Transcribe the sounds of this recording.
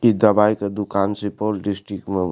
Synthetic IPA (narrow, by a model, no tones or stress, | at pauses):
id̪ɐʋajked̪ukaːnsipolɖisʈɾik̚ʈme